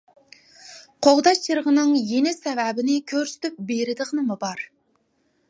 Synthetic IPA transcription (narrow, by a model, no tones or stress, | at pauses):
qʰoʁd̪ɑt͡ʃʰːəɾʁənɨŋjenɪsɛvæbɪnɪkʲʰøɾsy̥t̪yp̚beɾɪd̪əʁənɨmubɑɾ